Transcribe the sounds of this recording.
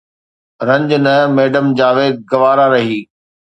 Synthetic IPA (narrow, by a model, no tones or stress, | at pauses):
ɾɐ̃ɲd͡ʑnəmeːɖəmd͡ʑaːʋeːd̪̚ɡɐʋaːɾaɾɐɦiː